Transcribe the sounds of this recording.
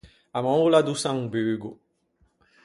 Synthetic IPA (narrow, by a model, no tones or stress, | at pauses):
amɔ̃ŋlad̪usãŋbyːɡu